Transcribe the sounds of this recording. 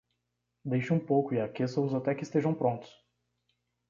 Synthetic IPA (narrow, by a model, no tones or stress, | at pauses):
d̪ejʃɪũpowkʊiakesɐʊzat̪ɛkɪist̪eʒɐ̃w̃pɾõnt̪ʊ̥s